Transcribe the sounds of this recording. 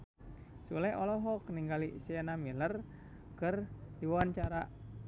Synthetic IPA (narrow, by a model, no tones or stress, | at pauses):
sulɛɔlɔɦɔkniŋɡalisianamilər | kərdiwawaɲt͡ʃaɾa